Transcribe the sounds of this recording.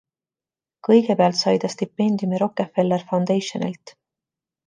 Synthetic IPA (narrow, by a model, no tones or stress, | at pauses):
kɤ̞jɡ̥e̞peɑlt̪sɑjd̪̥ɑst̪ipːe̞nʲd̪̥jumiɾo̞kːefe̞lːerfɑwnd̪̥ejʃo̞̰nḭlt̪